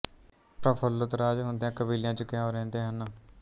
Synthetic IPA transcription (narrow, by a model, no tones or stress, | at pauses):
pɾəpʰəlːʊt̪ɾaːd͡ʒɦʊ̃nd̪ejãːkəbiːljãːt͡ʃəkɪãːoɾɛ̃ːnd̪eːɦənː